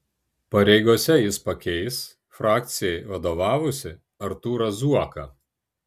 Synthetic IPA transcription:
pɐɾʲɛɪɡoːsʲɛjɪspɐkʲɛɪs | fɾɑːk̚t̪sʲɪjɛɪʋɐd̪oːʋɑːʋʊsʲɪ | ɐɾt̪uːɾɐzuɔkɐː

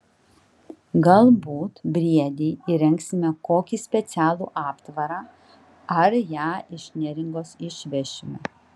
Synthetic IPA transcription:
ɡɐlˠbuːt̪bʲɾʲiɛd̪ʲɛːɪɾʲɛŋksʲɪmʲɛkoːkʲiːsʲpʲɛt̪sʲæːlˠṵːʔɑːpt̪ʋɐɾɑː | ɐɾjæːɪʃʲnʲɛɾʲɪŋɡoːsɪʃʲʋʲɛʃʲɪmʲɛ̰

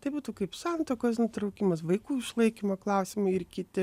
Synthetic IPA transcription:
t̪ɐɪbuːt̪ukɐɪpsɑnt̪oːkosnʊt̪ɾɐʊkʲimɐsʋɐɪkuːɪʃlˠɐɪkʲimɐklˠɐʊsʲɪmɐɪɪrkʲɪt̪ʲɪ

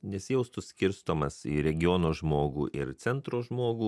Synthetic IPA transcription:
nʲɛsʲɪjɛʊst̪ʊsʲkʲɪɾst̪oːmɐsḭɾʲɛɡʲɪjoːnoːʒmoːɡṵːʔɪɾt̪sʲɛnt̪ɾoːʒmoːɡuː

